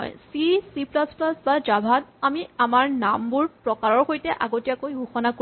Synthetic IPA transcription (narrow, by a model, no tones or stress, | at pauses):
ɔ̰jsisiplasplasbad͡ʒabʱatamiamaɹnambuɹpɹɔkaɹɔɹxojtɛʔaɡotijakojɡuxɔnak